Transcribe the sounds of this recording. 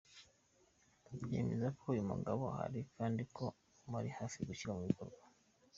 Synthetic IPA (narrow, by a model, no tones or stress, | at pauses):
jḛmḛzakʰoujumṵɡaβoha̰ɾikʰaːndikʰo̞ | maɾihaːfiɡuçiɾamuβiko̞ɾɡwa